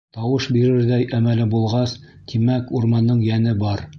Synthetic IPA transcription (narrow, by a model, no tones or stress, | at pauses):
t̪ɑwɤʃbiɾɘɾðæjʔæmælɘbulˠʁɑs | t̪ʰimækuɾmɑnːɤɴjænɘbɑɾ